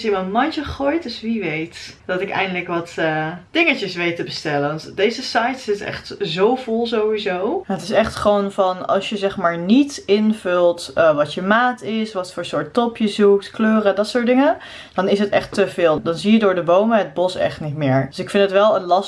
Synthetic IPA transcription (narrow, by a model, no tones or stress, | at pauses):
sjəməmɑnt͡ʃəəχoːjtdøsʋiʋejtd̥ɔtɪkɛ̰jndələkʋɑtəd̥ɪŋəcəsʋejtːəbəstɛlənʋɑntdejzəsɑjtsɪtɛ̰χtzowvoʊlˠzowʋizownɦətɪ̥sɛχtχəʋonvɑnɑ̰lˠsjəzɛχmaːɹnitɪnvɵlˠtəʋɑtəmaːtɪsʋɑtfʊːɹsʊːɹtɔpjəzuk̚tkløːrədɑtsʊːɹdɪŋə | d̥ɑnɪsɦətɛ̰χtəvɪːlˠdɑnzijədʊːɹdəbowməɦəd̚bɔsɛ̰χtnitmɪːɹdøsɪkfɪndətʋɛlˠənlɑs